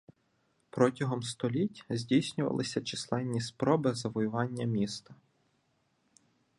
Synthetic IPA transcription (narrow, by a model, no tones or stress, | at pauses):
pɾɔtʲɐɦɔmst̪ɔlʲitʲzʲdʲijsʲnʲʊʋɐ̰lˠɪsʲɐt͡ʃislˠɛnʲːispɾɔbɪzɐʋɔjʊʋɑnʲːɐmʲist̪ɐ